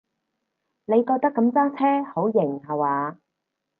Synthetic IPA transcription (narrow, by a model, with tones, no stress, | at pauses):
ne˨˧jkɔː˧k̚t̪ɐ˥kːɐ˨˧˥mt͡saː˥t͡sʰɛː˥ho˨˥wjɪ˨˩ŋhɐ˨˩waː˨˧